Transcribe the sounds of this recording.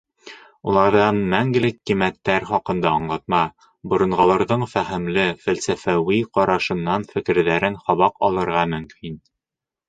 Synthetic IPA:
ulˠɑɾðɑnmæŋɡɘ̆lɘkːimæt̪ːæɾχɒqɤ̆nd̪ɑɤɴlˠɑt̪̚mɑ | bŏɾɤ̆ɴʁɑlˠɑɾðɤɴfæhɘ̆mlɘfælsæfæwiqɒɾɑʃɤ̆nːɑnfɘ̆kɘ̆ɾðæɾɘnχɒβɑqɒlˠɤ̆ɾʁɑmɵ̆mkʰin

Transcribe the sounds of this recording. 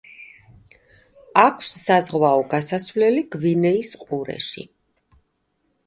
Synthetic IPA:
akʰwsːazʁvaɔɡasasvlɛliɡ̥vinɛisqʼuɾɛ̰ʃḭ

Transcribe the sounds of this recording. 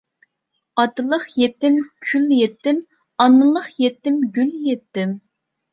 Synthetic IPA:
ɑt̪ɨlˠəqjet̪ːɪmkʲʰyljɛt̪ːɪm | ɑnːɨlˠəχjet̪ːɪmɡʲyljɛt̪ːɪm

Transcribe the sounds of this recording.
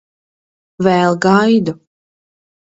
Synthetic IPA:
vɛlˠɡajd̪u

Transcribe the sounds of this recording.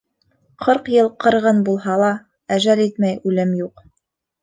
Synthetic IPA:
qʰɤɾqjɤlˠqɤ̆ɾʁɤnbulˠɦɑlˠɑ | æʒælit̪mæjʉlɘmjuq

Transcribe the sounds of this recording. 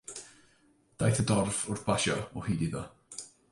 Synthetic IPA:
d̥ajθədɔrfʊrθb̥aʃɔɔhiːdiðɔ̰

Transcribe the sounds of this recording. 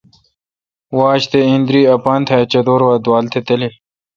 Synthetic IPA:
waːɕt̪eĩnd̪ɾiːɐpaːnt̪ʰɐt͡ɕɐd̪oːɾwaːd̪waːlt̪ʰet̪ɐli

